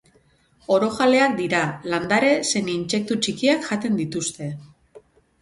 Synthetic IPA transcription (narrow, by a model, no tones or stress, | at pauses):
o̞ɾo̞xale̞ak̚d̪iɾaland̪aɾe̞se̞niinse̞k̚t̪ut͡ʃikiakʝat̪e̞nd̪it̪ust̪e̞